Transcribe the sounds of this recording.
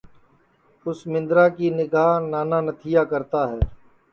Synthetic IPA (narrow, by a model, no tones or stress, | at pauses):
ʊsmɪ̃nd̪ɾaːkinɪɡʱaːnaːnaːnət̪ʰijaːkəɾt̪aːɦɛː